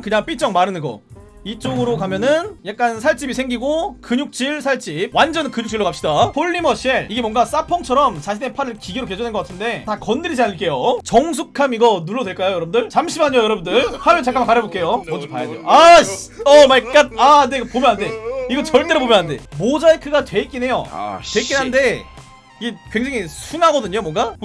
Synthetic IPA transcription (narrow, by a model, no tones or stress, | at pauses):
kɯɲaŋp͈it͡ɕ͈ʌŋmaɾɯnɯnɡʌ̰ | it͡ɕ͈oɡɯɾokamjʌnɯnjak̚k͈ansʰaɭt͡ɕ͈ibisʰe̞ŋɡiɡokɯɲuk̚t͡ɕ͈ʰiɭsʰaɭt͡ɕ͈ip̚wand͡ʑʌnkɯɲuk̚t͡ɕʰiɭːokap̚ɕ͈idaɸʰoʎːimʌɕʰieɭiɡe̞mwʌŋɡas͈apʰʌŋt͡ɕʰʌɾʌmt͡ɕaɕʰine̞pʰaɾɯɭkiɡeɾoked͡ʑʌndenɡʌk͈atʰɯnde̞takʌndɯɾid͡ʑianɯɭk͈e̞jot͡ɕʌŋs̬ʰukʰamiɡʌnuɭːʌdwe̞ɭk͈ajojʌɾʌbɯundɯɭt͡ɕamɕʰimɦaɲojʌɾʌbundɯɭhamjʌnt͡ɕʰakʰamakaɾʌbok͈e̞jomʌnd͡ʑopajadejoaɕʌmaɭk͈at̚aneɡpomjʌnɦande̞iɡʌt͡ɕʌɭt͈e̞ɾopomjʌnɦande̞mod͡ʑaekʰɯɡatwe̞it̚k͈ine̞jo̰te̞itk͈inɦannde̞ | iɡe̞kwe̞ŋd͡ʑaŋisʰunɦaɡʌdɯɲomwʌŋɡa